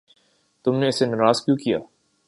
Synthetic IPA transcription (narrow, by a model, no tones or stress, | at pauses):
t̪ʊmneɪsenɐɾaːzkjũːkija̰ː